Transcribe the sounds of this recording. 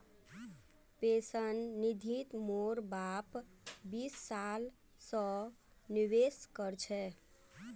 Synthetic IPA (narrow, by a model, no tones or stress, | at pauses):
pesənːid̪ʱit̪moɾbapbisːal | sə̃ | niweskəɾt͡ʃʰɛ